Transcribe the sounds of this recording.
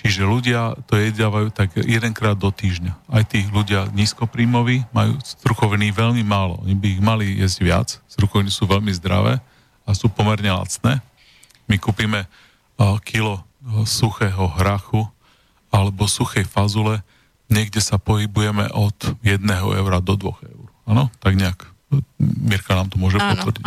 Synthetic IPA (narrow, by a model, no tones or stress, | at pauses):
t͡ʃiʒɛluɟɪat̪ɔjɛzdaːʋajuːt̪aɡjɛd̪ɛŋkɾaːd̪ːɔt̪iːʒɲaajt̪iːluɟɪaɲiːskɔpɾiːmɔʋiːmajṵːzɾukɔʋniːʋɛʎmimaːlɔ̰ʔɔ̰ɲibiːɣmalijɛ̰zɟʋɪa̰t͡sz̥ɾukɔʋnisuːʋɛʎmizd̪ɾa̰ʋɛ̰ː | asuːpɔmɛɾɲɛla̰t͡snɛː | mikuːpiːmɛ | kʰilɔsuxɛːɦɔɦɾaxu | alɛbɔsuxɛjfazulɛ | ɲɛɡɟɛsapɔɦibujɛmɛ̰ʔɔd̪jɛd̪nɛɦɔ̰ʔɛ̰ʊɾad̪ɔd̪ʋɔ̰ɣɛ̰ʊɾanɔt̪aɡɲɛak | miɾkanaːmt̪ɔmʊɔʒɛpɔt̪ʋɾɟḭ